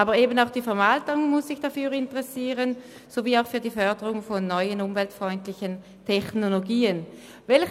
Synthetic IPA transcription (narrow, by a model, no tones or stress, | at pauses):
aːbəɐʁeːbənaʊxd̥iːfɛɐmaltʊŋmʊssɪçd̥afyːʁɪntəʁɛsiːʁən | z̥oviːaʊxfyːɐdiːfœɐdəʁʊŋfɔnːɔʏənʊmvɛltfʁ̥ɔʏntlɪçən | tʰɛçnoloɡiːən | vɛl